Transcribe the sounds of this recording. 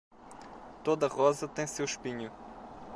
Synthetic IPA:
t̪od̪ɐʁɔzɐt̪ẽj̃sewʃpiɲu

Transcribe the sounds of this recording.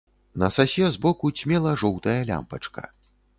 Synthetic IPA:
nɐsasʲɛzbɔkut͡sʲmʲɛlˠɐʐɔwt̪ɐjɐlʲa̰mpɐt͡ʂkɐ̰

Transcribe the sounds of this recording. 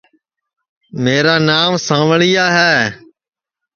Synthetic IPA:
meːɾaːnaːmsãːʋɭijaːɦɛː

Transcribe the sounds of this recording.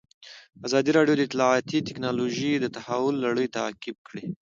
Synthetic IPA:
azɑd̪iɾɑɖjod̪əɪt̪lɑɑt̪it̪ɪknɑloʒid̪ət̪ahawʊlːaɽəjt̪akɪb̚kɽi

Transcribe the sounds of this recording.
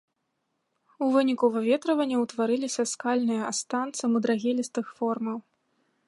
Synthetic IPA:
uvɨnʲikuvavʲɛt̪ɾɐvɐnʲːɐwt̪vaɾɨlʲisʲɐskalʲnɨjɐast̪ant̪sɐmɨd̪ɾaɣʲɛlʲist̪ɨxfɔrmɐw

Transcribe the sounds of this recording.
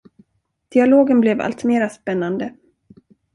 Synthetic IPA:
d̪̥ɪaloːɡənblɛva̰lt̪meːɾaspɛnːand̪ə

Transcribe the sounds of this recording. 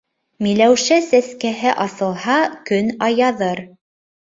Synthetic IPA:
milæwʃæsæskæɦɘʔɑsɤ̆lˠhɑkɵnɑjɑðɤɾ

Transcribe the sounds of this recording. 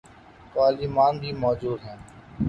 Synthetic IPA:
t̪aːliːmaːnb̪ʱiːmɔːd͡ʒuːd̪ɦɛ̃ː

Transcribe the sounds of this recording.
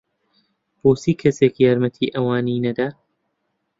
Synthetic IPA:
b̥oːsiːkʰɐseːkjaːɾmɐt̪ʰiːʔɐwaːniːnɐd̪aː

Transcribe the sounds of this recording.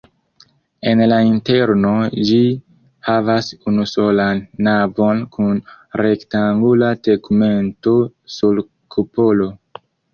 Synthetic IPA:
e̞nlainte̞ɾno̞d͡ʒi | havasunuso̞lanːavo̞nkʰun | ɾe̞ktaŋɡulateɡme̞nto̞sul | kʰupo̞lo̞

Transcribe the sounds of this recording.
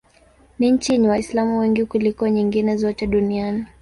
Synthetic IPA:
niɲ̩t͡ʃiniwaislamuwɛŋɡikulikɔɲiŋɡinɛzɔtɛɗuniani

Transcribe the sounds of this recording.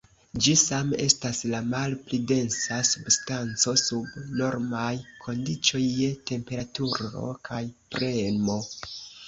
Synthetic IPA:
d͡ʒisame̞̰staslamalplide̞nsasubstant͡so̞subno̞ɾmajkʰo̞ndit͡ʃo̞jːete̞mpe̞ɾatuɾo̞̰kʰajpɾe̞mo̞

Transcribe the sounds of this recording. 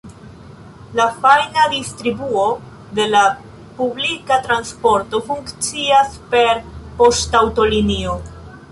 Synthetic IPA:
lafajnadistɾibuo̞ | de̞la | publikatɾanspo̞ɾto̞fuŋkt͡siaspe̞ɾpo̞stawto̞linio̞

